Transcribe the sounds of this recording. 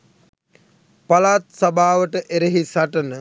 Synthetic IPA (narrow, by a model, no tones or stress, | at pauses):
palaːt̪̚sabʱaːʋəʈəʔeɾeɦisaʈənə